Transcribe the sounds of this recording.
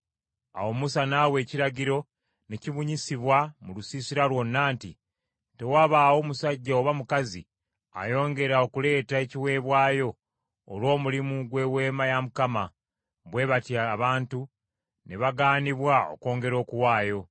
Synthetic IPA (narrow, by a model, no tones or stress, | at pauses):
a̰wo̞musanaːwe̞ːciɾaɟiɾo̞ | ne̞ciβuɲisiβwamulusisiɾalwo̞nːaːnti | te̞waːβaːwo̞musaɟːaoβamukazḭ | a̰jo̞ːŋɡe̞ɾao̞kule̞ːtae̞ciwe̞ːβwaːjo̞̰ː | lwo̞ːmulimuɡwe̞we̞ːmajamukama | βwe̞βatjaβaːntu | neβaɡaːniβwao̞̰ko̞ːŋɡe̞ɾo̞ːkuwaːjo̞